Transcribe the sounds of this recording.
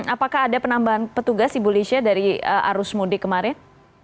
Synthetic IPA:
apakaɦːdapənambaɦanpət̪uɡasibolisiadaɾiəʔa̰ɾʊsmodɪkəmaɾɪn

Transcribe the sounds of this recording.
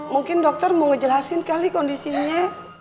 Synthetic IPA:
muŋkɪndɔk̚t̪ɔrməŋəd͡ʒəlasɪnkalikɔndisiɲa

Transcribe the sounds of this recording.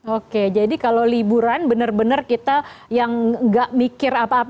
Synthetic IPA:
oked͡ʒadikalowlibuɾanbənərbənərkit̪ajaŋŋɡaʔmikɪrapaːp

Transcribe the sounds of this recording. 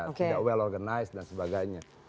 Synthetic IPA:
tidakwɛlɔrɡanajsdansəbaɡajɲa

